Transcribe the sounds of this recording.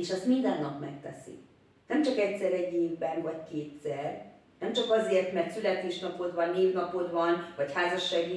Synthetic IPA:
eʃɛst̪mind̪ɛnːɒpmɛ̰k̚t̪ɛ̰sḭ | nɛmt͡ʃɒkɛcsɛɾɛɟːeːvbɛnvɒckeːt̪sɛr | nɛmt͡ʃɒkɒzeːrt̪mɛrt̪sylɛt̪eːʃnɒpo̞d̪vɒnːeːvnɒpo̞d̪vɒnvɒchaːzɒʃːaːɡi

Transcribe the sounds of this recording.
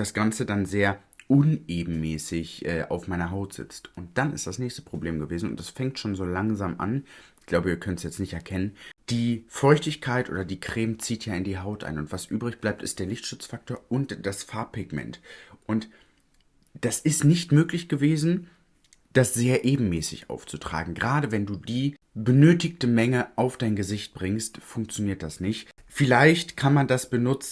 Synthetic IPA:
d̥asɡ̥ant͡sədanzeːɐ | ʔʊneːbm̩mɛːsɪçʔɛːʔa̰ʊfmaɪnɐɦaʊtz̥ɪ̰t͡stʔʊnt̚d̥anɪ̰std̥asnɛːçstə̥pʁ̥obleːmɡəveːzn̩ʊ̰ntd̥asfɛŋk̚tʃoːnzoːlaŋzaːmʔa̰nɪçɡ̥laʊbəiːɐkʰœnənsjɛt͡snɪçtɛɐkʰɛnənd̥iːfɔʏçtɪçkʰaɪtʔo̰ːdɐdiːkʁ̥eːmt͡siːtʰjaːɪndiːɦaʊtʔa̰ɪnʊntv̥asʔyːbʁɪçb̥laɪp̚tɪ̰std̥eːɐlɪçtʃʊt͡sfak̚toːɐʊntd̥asfaɐpʰɪɡmɛ̰ntʔʊnt | d̥asɪstnɪçtmøːklɪçɡ̥əveːzn̩ | d̥asz̥eːɐʔeːbm̩mɛːsɪ̰çʔa̰ʊft͡sutʁ̥a̰ːɡŋ̩ɡəʁaːdəvɛnduːdiː | bənøːtɪktəmɛŋəʔaʊfd̥aɪnɡəzɪçt̚b̥ʁɪŋstfʊŋk̚t͡sjoniːɐt̚d̥asnɪçtfɪlaɪçtkʰanmandasb̥ənʊt͡s̩

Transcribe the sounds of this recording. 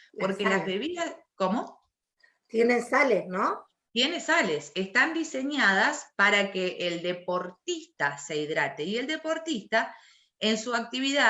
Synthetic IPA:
po̞ɾkelazβeβiðaskomo | t̪jenesalesno | t̪je̞nesale̞sest̪and̪ise̞ɲaðaspaɾakeʔːld̪e̞po̞ɾt̪ist̪aseiðɾat̪eie̞ld̪e̞po̞ɾt̪ist̪a | ensuak̚t̪iβiða

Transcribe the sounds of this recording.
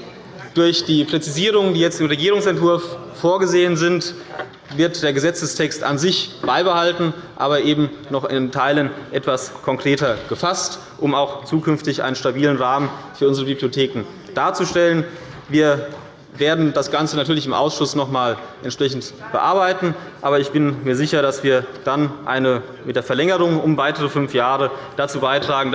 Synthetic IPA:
d̥ʊɐçd̥iːpʁ̥ɛt͡siziːʁ̞ʊŋəndiːjɛt͡stɪmʁeɡiːʁʊŋsɛntv̥ʊɐfː | oːɐɡəzeːənzɪnt | vɪɐt̚d̥eːɐɡəzɛt͡səstʰɛksta̰nzɪçb̥aɪbəhaltn̩ʔa̰ːβɐʔeːbm̩nɔχɪ̰ntʰaɪlənʔɛtv̥askʰɔŋkʁ̥eːtɐɡ̥əfast | ʔʊmaʊxt͡suːkʰʏnftɪçʔa̰ɪnənʃtabiːlənʁaːmənfyːɐʊnzəʁəbibliotʰeːkŋ̩ | d̥aːɐt͡suʃtɛlən | viːɐ | veːɐdn̩dasɡ̥ant͡sənatʰyːɐlɪçɪmʔa̰ʊsʃʊsnɔχmaːlʔɛntʃpʁ̥ɛçn̩tb̥əʔa̰ɐbaɪtn̩ʔaːbɐɪçb̥ɪnmiːɐzɪçɐɾasv̥iːɐd̥anʔa̰ɪnə | mɪt̚d̥eːɐfɛɐlɛŋəʁʊŋʊmvaɪtəʁəfʏnfjaːʁəd̥at͡suːbaɪtʁ̥aːɡŋ̩

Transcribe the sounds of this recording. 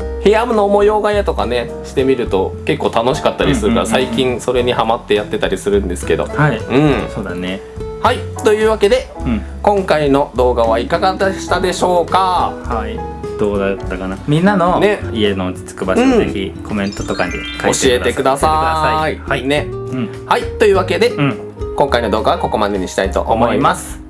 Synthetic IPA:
hejamɯ̟no̞ːmo̞jo̞ːɡajat̪o̞kane̞ | ɕi̥t̪e̞mʲiɾɯ̟t̪o̞ke̞kːo̞ːt̪ano̞ɕi̥kat̪ːaɾʲisɨɾɯkasaikʲĩɰso̞ɾe̞ɲ̟ihamat̪ːe̞jat̪ːe̞t̪aɾʲisɨɾɯ̟̃nd̪e̞sɨ̥ke̞d̪o̞̰haiɯ̟̃ɴso̞ːd̪ane | hait̪o̞jɯ̟ːβake̞d̪e̞kõ̞ŋkaino̞d̪o̞ːɡaβ̞aikaɡad̪aɕi̥t̪ad̪e̞ɕo̞ːkahaid̪̥oːd̪at̪ːakanamʲĩnːano̞neie̞noːt͡sɨ̥t͡sɨ̥kɯbaɕɯ̃eçʲiko̞mẽ̞nt̪ot̪o̞kaɲḭkaoɕie̞t̪e̞kɯ̟d̪asaaaiihaine̞ | hait̪o̞ɯ̟ːβake̞d̪e̞ɯ̃ | kõ̞ŋkaino̞d̪o̞ːɡaako̞ko̞mad̪e̞ɲ̟iɕi̥t̪ait̪o̞̰ʔo̰mo̞imasɨ̥

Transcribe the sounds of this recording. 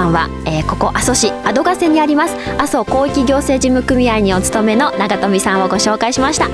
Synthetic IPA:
ãβa̰ | eːko̞ko̞ʔaso̞ɕiad̪o̞ɡase̞ɲ̟iaɾʲimasɨ̥aso̞ko̞ːikʲiɡʲo̞ːse̞ːʑimɯ̟kɯ̟mʲiaiɲ̟io̞t͡sɨ̥t̪o̞me̞no̞naɡat̪o̞mʲisãɰ̃o̞ɡo̞ɕo̞ːkaiɕimaɕi̥t̪a

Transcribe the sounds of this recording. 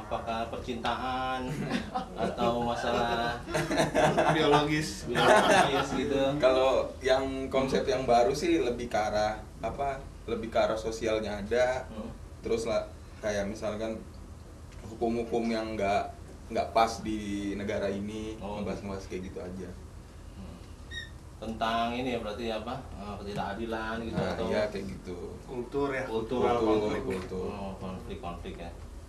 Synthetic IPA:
apakahpərt͡ʃint̪aɦan | a̰t̪awmasala | bioloɡɪsbɡsɡit̪ukalojaŋkɔnsɛpt̪jaŋbaɾusɪhləbɪhkaɾa | apa | ləbɪhkaɾahsosialɲaːda | t̪əɾʊslah | kajaʔmisalkan | hukʊmhukʊmjaŋɡaʔ | ŋɡaʔpasdinəɡaɾainiibaɦasnəbaɦaskajaʔɡit̪uad͡ʒa | ə | t̪ənt̪aŋinijabəɾat̪iapaəkət̪idakadilanɡit̪uajakajaʔɡit̪ukult̪ʊɾjakult̪uulukult̪ʊkɔnflɪkːɔnflɪkja

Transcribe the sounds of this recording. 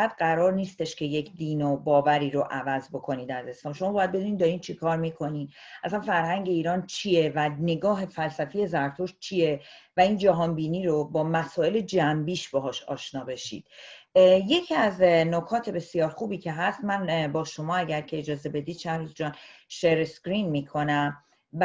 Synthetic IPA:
æd̪ɢæɾɒːɾniːst̪e̞ʃcʰe̞jecʰd̪iːnobɒːvæɾiːɾoʔævæzbo̞kʰo̞niːd̪æze̞slɒːmʃo̞mɒːbːjæd̪be̞d̪uniːd̪d̪ɒɾiːd̪̚t͡ʃʰekʰɒːɾmiːkʰo̞niːæsænfæɾhæŋɟe̞iːɾɒːnt͡ʃʰije̞væne̞ɡɒːɦe̞fælsæfije̞zæɾt̪ʰoʃt͡ʃʰije̞væiːnd͡ʒæɦɒːnbiːniːɾobɒːmæsɒːe̞le̞d͡ʒæmbiːʃb̥eɦɒːʃɒ̰ːʃnɒːbe̞ʃḭːd̪̥ | je̞cʰiæznokʰɒːt̪ʰe̞be̞sijɒːɾxuːbiːcʰe̞ɦæst̪mænbɒːʃo̞mɒːæɟæɾcʰe̞ed͡ʒɒːze̞be̞d̪iːd̪̥ʃæhɾizd͡ʒɒːnʃeɾesɡɾinmiːkʰo̞næm

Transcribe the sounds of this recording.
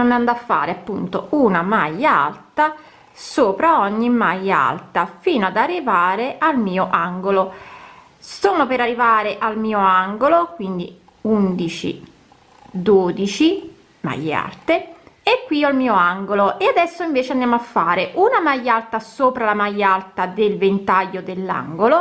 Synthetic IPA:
onand̪afːa̰ːɾeapːunt̪ounamajːaa̰lt̪a | soːpɾaɔɲːimajːaa̰lt̪afiːnoad̪arːivaːɾeʔalmiːoʔaŋɡolo | soːnopeɾarːivaːɾeʔalmiːoaŋɡolokwind̪i | und̪it͡ʃḭ | d̪oːd̪it͡ʃi | ma̰ja̰rt̪eekːwialmiːoaŋɡoloʔead̪ɛsːoiɱveːt͡ʃeand̪jamoafːaːɾeʔunamajːalt̪asoːpɾalamajːalt̪ad̪elvent̪ajːod̪elːa̰ŋɡolo

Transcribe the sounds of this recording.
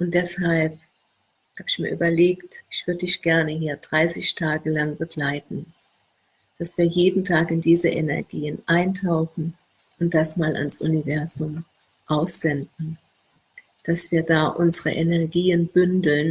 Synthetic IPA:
ʔʊnt̚d̥ɛshalp̚ | haːbɪçmiːɐʔyːbɐleːktʔɪçv̥ʏɐdədɪçɡ̥ɛɐnəɦiːɐdʁaɪsɪçtʰaːɡəlaŋbəɡlaɪtn̩ | d̥asv̥iːɐjeːdn̩tʰaːkɪndiːzəʔenɛɐɡiːənʔaɪntʰaʊxn̩ | ʔʊnt̚d̥asmaːlʔa̰nsʔṵnivɛɐzʊm | ʔaʊsz̥ɛndn̩ | d̥asv̥iːɐdaːʔʊnzəʁə̰ʔenɛɐɡiːənbʏndl̩n

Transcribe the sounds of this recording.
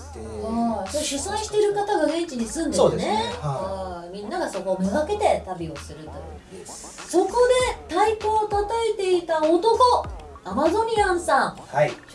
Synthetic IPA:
at͡ɕot̪ːoɕɨsãĩɕi̥t̪e̞ɾɯ̟kat̪aɡaɡẽ̞ɲt͡ɕiɲ̟isɨ̃nd̪ene̞ | mʲĩnːaɡaso̞ko̞ːmɯ̟ɡake̞t̪e̞t̪abʲio̞sɨɾɯ̟t̪o̞̰jɯ̰ | so̞ko̞d̪e̞t̪aiko̞ːt̪at̪aet̪e̞it̪aot̪o̞ko̞ | amazo̞ɲ̟ʲiãɰ̃sãŋha

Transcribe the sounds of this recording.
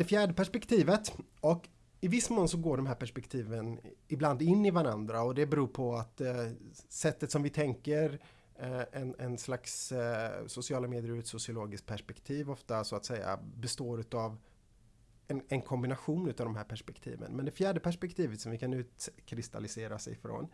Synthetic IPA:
d̪̥ɛfjæːɖəpæʂpɛkt̪ʰiːvət̪ | ɔk | ɪvɪsːmoːnsɔɡoːɖɔmɦæːɾpæʂpɛkt̪ʰiːvənɪbland̪ɪnːɪvaɾand̪ɾaɔd̪ɛbɛɾuːɾpʰɔat̪ | sɛt̪ːət̪sɔmvɪt̪ʰɛŋkəɾ | ɛnɛnslaks | sʊsɪɑːlameːd̪jəɾʉt̪sʊsɪʊloːɡɪskt̪̚pʰæʂpɛkt̪ʰiːvɔft̪asɔat̪sɛjːa̰bɛst̪oːɾʉ̟ːt̪av | ɛnɛnkʰɔmbɪnaɧuːnʉ̟ːt̪avd̪ɔmɦæːɾpʰæʂpɛkt̪ʰḭːvə̰nmɛnd̪ɛfjæːɖəpæʂpɛk̚t̪ʰiːvət̪sɔmvɪkʰanʉ̟ːt̪kʰɾɪst̪a̰lɪseːɾasɛ̰jfɾo̰n

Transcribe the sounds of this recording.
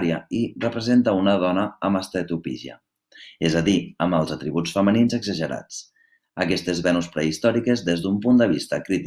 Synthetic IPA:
ɾiəirəpɾəzent̪əunəðɔnəːməst̪et̪upḭʒiə̰ | ezəðiəməlˠzət̪ɾiβut͡sfəməninzəɡzəʒəɾa̰t͡s | əkɛst̪ezβɛnuspɾəist̪ɔɾikezðezðumpund̪əβ̞ist̪əkɾit̪

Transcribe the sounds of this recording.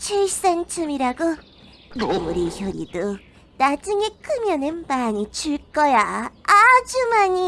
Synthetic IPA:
t͡ɕʰes͈ant͡ɕʰumiɾaɡo | moɾiçjʌɾḭdo | nad͡ʑɯŋe̞k͈ʰɯmjʌnɯnmaɲit͡ɕʰuɭk͈ʌjaad͡ʑumaɲi

